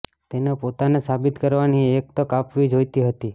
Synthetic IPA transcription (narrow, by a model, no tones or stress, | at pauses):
t̪enepot̪anesabɪt̪kəɾʋaniek̚t̪okapʋid͡ʒojt̪iɦət̪i